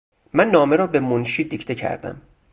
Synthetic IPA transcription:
mænːɒːme̞ɾɒːbe̞monʃiːd̪iːcʰt̪ʰecʰæ̰ɾd̪æ̰m

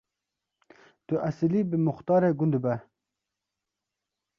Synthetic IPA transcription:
t̪uʔasilibimʊxt̪ɑːɾeɡund̪uba

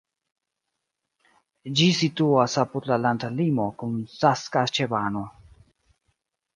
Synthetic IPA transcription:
d͡ʒisituasapud̪lalandalimo̞kunsaskat͡ʃebano

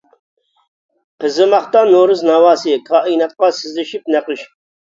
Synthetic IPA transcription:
qʰɪzɨmɑχt̪ɑnoɾɨznɑwɑːsɨkʰɑːʔinɑt̪̚qɑsɪzlɪʃip̚næqɨʃ

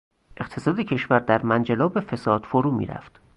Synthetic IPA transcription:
ʔe̞qt̪ʰe̞sɒːd̪ecʰeʃvæɾd̪æɾmænd͡ʒelɒːbe̞fe̞sɒːd̪̥foɾuːmḭːɾæ̰ft̪

